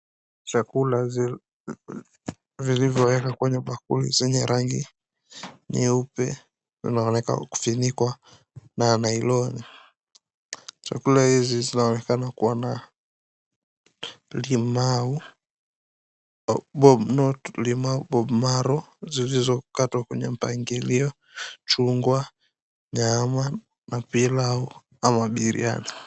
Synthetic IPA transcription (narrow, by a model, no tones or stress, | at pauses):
t͡ʃakulaz | vilivjɔwɛkakwɛɲɛɓak̚ṵlḭzɛɲɛɾaŋɡḭ | nḭupɛ̰ | zḭnaɔnɛka̰ku̥finikwa | nanailɔni | t͡ʃa̰kulahizizinaɔnɛkanakuwana | limau | bɔnɔtlimauɓɔbmaɾɔzilizɔkatwakwɛɲɛm̩paŋɡiliɔ | t͡ʃuŋɡwa | ɲama | napilau | amaɓiɾḭa̰ni